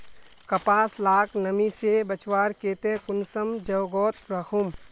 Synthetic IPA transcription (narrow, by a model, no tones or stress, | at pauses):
kɐpaːslaːkʰnəmisebət͡ʃwaːɾkeːt̪ekʊnsəmd͡ʒɐwɡɔːt̪̚ɾɐkʰum